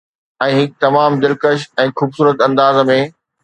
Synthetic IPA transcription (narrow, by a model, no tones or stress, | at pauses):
ɛ̃ːɦɪk̚t̪ɐmaːmd̪ɪlkəʃ̬ɛ̃ːxuːbsuːɾət̪ɐ̃nd̪aːzmẽ